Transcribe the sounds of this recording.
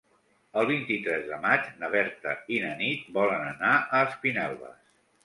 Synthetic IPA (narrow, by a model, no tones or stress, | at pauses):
əlˠβint̪it̪ɾɛzðəmad͡ʒnəβ̞ɛɾt̪ə̰inənit̪̚bɔlənənaʔəːspinɛlˠβə̰s